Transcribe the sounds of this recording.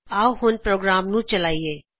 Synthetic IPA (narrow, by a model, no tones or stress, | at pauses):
aːuɦonpɾoːɡɾaːmnũt͡ʃəlaːieː